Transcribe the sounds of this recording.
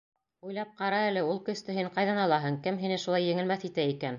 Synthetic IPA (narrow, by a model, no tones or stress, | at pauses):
ujlˠɑp̚qɑɾɑælɘulˠkɵ̆st̪ɘ̆ɦiɴqɑjðɑnɑlˠɑɦɤɴkɘmɦinɘʃulɑjːɘ̆ŋɘ̆lmæθit̪æikæn